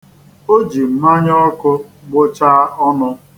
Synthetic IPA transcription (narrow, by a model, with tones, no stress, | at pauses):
o˦d͡ʒi˨m̩˦ma˦ɲɔ˦kʊ˦ɡ͡bʊ˦t͡ʃaː˦ɔ˦nʊ˦